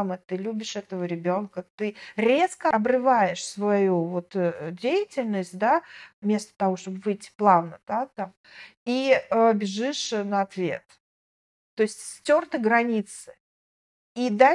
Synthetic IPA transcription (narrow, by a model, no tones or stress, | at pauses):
mət̪ɨlʲubʲɪʂɛt̪əvəɾʲɪbʲo̞nkət̪ɨɾʲe̞skəɐbɾɨvajɪʂsvɐjuvo̞t̪dʲejɪtʲɪlʲnəsʲt̚ʲd̪avmʲe̞st̪ə̥t̪ɐvo̞ʂt̪o̞bvɨjtʲːɪ̥plˠavnəd̪̥at̪am | iəbʲɪʐɨʂnəɐt̪vʲe̞̰t̪ː | o̞ɪsʲtʲsʲtʲo̞rt̪ɨɡɾɐnʲit̪sɨ̥ | id̪a